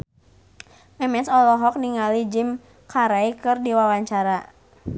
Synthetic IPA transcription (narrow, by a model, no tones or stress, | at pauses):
ʔɛmɛsɔlɔɦɔk̚niŋalid͡ʒim | kʰaɾajkɨrdiwawaɲt͡ʃaɾa